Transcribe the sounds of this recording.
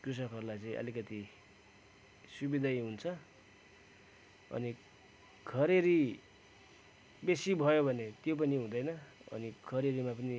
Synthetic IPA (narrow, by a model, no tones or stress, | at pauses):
krus̬ʌkʌɾulajt͡sʌĩʔʌ̰likʌt̪i | subid̪ʱajɦunt͡sʰʌ | ʌ̰ni | kʰʌɾeɾi | besibʱʌjobʱʌnet̪jop̬ʌniɦũd̪ʌjnʌʌ̰nikʰʌɾeɾimapʌni